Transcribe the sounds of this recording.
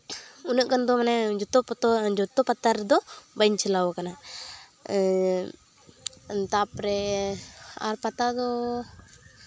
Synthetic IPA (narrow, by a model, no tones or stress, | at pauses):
unəʔkand̪ɔmanɛd͡ʒɔt̪ɔd͡ʒɔt̪ɔpat̪aɾd̪ɔbajɲt͡ʃʰɛlawakana | t̪apɾɛ | a̰ɾpat̪ad̪ɔ